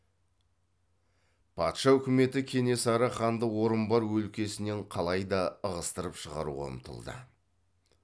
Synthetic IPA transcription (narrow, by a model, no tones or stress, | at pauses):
pʰɑ̰t̪ʃɑɵkʲɪme̞t̪ɪkʲʰe̞ne̞sɑɾɑχɑnd̪əwo̞ɾəmbɑɾwɵlkʲe̞sɪne̞ɴqʰɑlˠɑjd̪ɑəʁəst̪əɾəpʃəʁɑ̰ɾṵʁɑ̰ə̰mt̪ʰə̰lˠd̪ə̰